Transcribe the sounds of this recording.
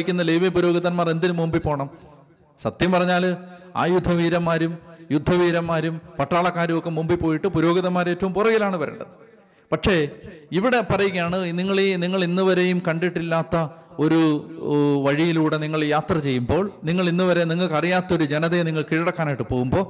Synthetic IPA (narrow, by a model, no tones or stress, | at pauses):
ikʲːunːɐleːʋipuɾo̞ːɡɐðɐnmaːre̞nd̪inumumbipoːɳɐm | sɐt̪jɐmpɐrɐɲːaːla̰ːjud̪ʱːɐʋiːɾɐmːaːɾumjud̪ʱːɐʋiːɾɐmːaːɾumpɐʈraːɭɐkːaːɾumokːe̞mumbipo̞ːjiʈːɨpuɾo̞ːɡiðɐmːaːɾe̞ːtːɐʋumpurɐɣilaːɳɨʋɐɾḛːɳɖɐðɨ | pɐkʂe̞iʋiɽe̞pɐrɐjikʲːɐjaːɳɨniŋːɐɭeniŋːɐɭinːuʋɐɾe̞jumkɐɳɖiʈːilːaːt̪ːɐo̞ɾu | ʋɐɻijiluːɽe̞niŋːɐɭjaːt̪rɐt͡ɕe̞jːumbo̞ːɭniŋːɐɭinːuʋɐɾe̞niŋːɐɭkɐrijaːt̪ːɐo̞ɾud͡ʑe̞nɐðeniŋːɐɭkiːɻɐɽɐkːaːnajʈːɨpo̞ːɣumbo̞ː